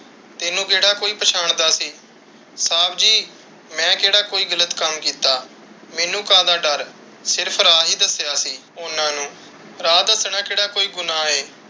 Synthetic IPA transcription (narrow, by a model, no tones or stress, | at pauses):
t̪ɪnũːkeːɽaːkoːiːpəʃʰaːɳd̪aːsiː | saːbd͡ʒiː | mɛ̃ːkeːɽaːkoːiːɡələt̪kəmkiːt̪aː | mɛːnũːkãːd̪ãːɖəɾ | sɪɾpʰɾaːɦiːd̪əsjaːsiː | ʊnãːnũː | ɾaːd̪əsɳãːkeːɽaːkoːiːɡʊnãːeː